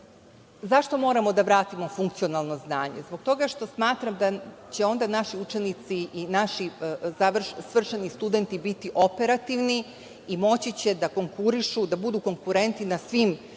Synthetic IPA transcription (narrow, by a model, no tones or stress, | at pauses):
zaʃt̪o̞mo̞ːɾamo̞d̪aʋɾaːt̪imo̞fuŋkt̪sio̞nalˠno̞znaːɲe̞̰zbo̞k̚t̪o̞ɡaʃt̪o̞smaːt̪ɾamd̪at͡ɕe̞o̞nd̪anaʃiut͡ʃenit̪siinaʃizaʋr̩ʃsʋr̩ʃenist̪ud̪e̞nt̪ibit̪iʔo̞pe̞ɾat̪iʋni | imo̞t͡ɕit͡ɕe̞d̪ako̞ŋkuɾiʃud̪abud̪uːko̞ŋkuɾe̞nt̪inasʋim